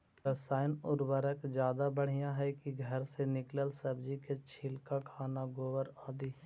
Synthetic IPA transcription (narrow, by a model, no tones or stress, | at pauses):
ɾəsaːɪnʊɾwəɾəkd͡ʒjaːd̪abəɽ̤ijaɦɛkiɡʱɐɾsenɪkləlsəbd͡ʒiket͡ʃʰɪːlkakʰaːnaɡoːwəɾaːd̪iː